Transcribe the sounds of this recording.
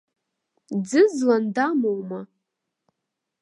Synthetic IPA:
d͡zɨzlandamowma

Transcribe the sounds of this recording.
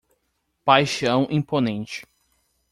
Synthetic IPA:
pajʃɐ̃w̃ʔĩponẽnt͡ʃɪ̥

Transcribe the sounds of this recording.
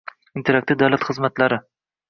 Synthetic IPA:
ɪnt̪ʰeɾak̚t̪ɪd̪awlat̪χɨzmat̪laɾɪ

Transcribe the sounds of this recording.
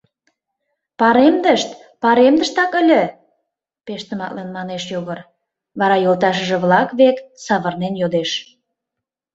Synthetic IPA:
pɑɾemd̪əʃt̪ | pɑɾemd̪əʃt̪ɑkə̆lʲə̆ | peʃt̪ə̆mɑ̰ʔ̪lenmɑneʃjoɣər | βɑɾɑjolt̪ɑʃ̬əʒĕβlɑkβeksɑβərnenjod̪eʃ

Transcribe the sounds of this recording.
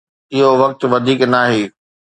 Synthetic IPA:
ɪɦoʋɐk̚t̪ʋɐd̪ʱiːknaːɦeː

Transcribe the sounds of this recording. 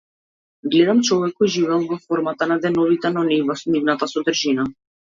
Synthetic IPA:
ɡlɛd̪amt͡ʃɔvɛkːɔjʒivɛlˠvɔfɔɾmat̪anad̪ɛnɔvit̪ɛnɔnivɔsnivnat̪asɔd̪rʒina

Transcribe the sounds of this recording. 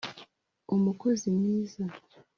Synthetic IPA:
omukozimniːza

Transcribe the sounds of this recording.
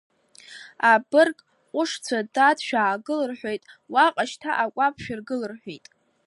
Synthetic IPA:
abɨrkʼʷ | ʊʂt͡sʷʰadatʃᶣaːɡɨlɨrħʷᶣojtʼwaqʼaʃtʰaʔakʷʼapʰʃᶣɪrɡɨlɨrħʷᶣijtʼ

